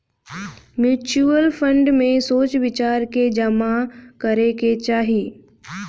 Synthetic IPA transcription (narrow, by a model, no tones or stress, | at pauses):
mjuːt͡ʃuəlpʰə̃ɳɖmẽsoːt͡ʃʋɪt͡ʃaːɾked͡ʒɐmakəɾeket͡ʃaːɦiː